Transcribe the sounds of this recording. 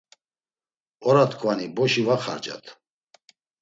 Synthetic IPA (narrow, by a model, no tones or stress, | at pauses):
ɔɾat̪ʰkʰvanibɔʃivaχa̰ɾd͡ʒa̰t̪ʰ